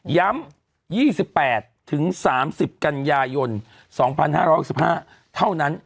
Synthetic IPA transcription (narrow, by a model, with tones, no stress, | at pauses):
ja˦˥m | jiː˥˩si˨˩pːɛː˨˩t̪ʰːɯ˩˦ŋsaː˩˦msi˨˩p̚ka˧njaː˧jo˧n | sɔː˩˦ŋpʰa˧nhaː˥˩ɾɔ˦˥jh̚si˨˩p̚haː˥˩ | t̪ʰa˥˩wna˦˥n